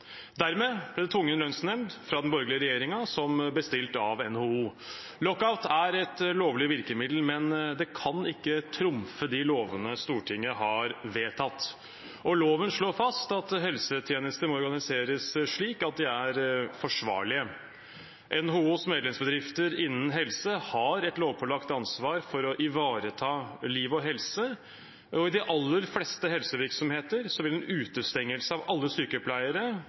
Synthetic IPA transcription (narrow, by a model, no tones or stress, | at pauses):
d̪æɾmeːb̥lɪd̪ɛt̪ʰʊŋːənlœnsnɛmd̪fɾɑd̪ɛnbɔɾɡlɪəɾɛjeːɾɪŋɑsɔmbəst̪ɪlt̪ɑʋɛnhouː | lɔkːaʊt̪æɾɛt̪loːʋlɪʋɪɾkəmɪd̪l̩mɛnd̪ɛkʰɑnɪkːət̪ʰɾʊmfəd̪ɪloːʋənəst̪uːʈʰɪŋːəɦɑɾʋeːt̪ʰɑt̪ː | ʔɔloːʋənʂɭoːfɑst̪ɑt̪ɦɛlsət̪ʰjeːnəst̪əmɔɔɾɡɑnɪseːɾəsʂɭiːkɑt̪̚d̪ɪæɾfɔʂʋɑ̰ːɭɪə | ʔɛnɦʊuːsmeːd̪lɛmsbəd̪ɾɪft̪əɾɪnːən̩ɦɛlsəhɑɾɛt̪loːʋpʰɔlɑkt̪ɑnsʋɑːɾfɔɾɔʔɪʋɑːɾət̪ʰɑːliːʋɔɦɛlsə | ɔɪd̪ɪʔɑlːəɾflɛst̪əɦɛlsəʋɪɾksɔmheːt̪əɾsɔʋɪlɛnʉːt̪əst̪ɛŋːəlsəɑʋɑlːəsyːkəpʰlæɪəɾə